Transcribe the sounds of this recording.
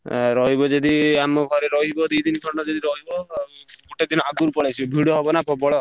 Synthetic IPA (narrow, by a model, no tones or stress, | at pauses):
ɾɔɦibɔd͡ʒed̪iamɔɡʱɔɾeɾɔɦibɔd̪ujd̪inkʰɔɾɳʈɔd͡ʒed̪iɾɔɦibɔkoʈed̪inɔaɡuɾpɔɭajsʰibʱiɽɔɦɔbɔnapʰɔbɔɭɔ